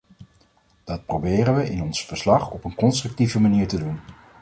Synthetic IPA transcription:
d̥ɑt̚probɪːrənʋəʔɪnɔnsfəɹslɑχɔpənkɔnstrɵk̚tivəmaniːɹtədun

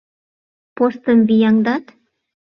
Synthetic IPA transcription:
post̪əmvijɑŋd̪ɑt̪

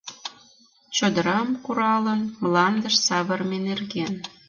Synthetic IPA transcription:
t͡ɕŏd̪əɾɑmkuɾɑlənmlɑnd̪əʃsɑβərmenerɣen

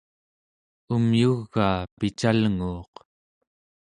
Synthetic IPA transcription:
umjuɣːaːpit͡ʃalŋuːq

